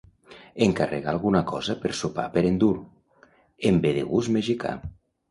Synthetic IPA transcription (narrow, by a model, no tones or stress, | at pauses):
eŋkarḛɣaːlˠɣunakɔzapeɾsopa̰peɾend̪uɾ | embeðḛɣuzmeʒika̰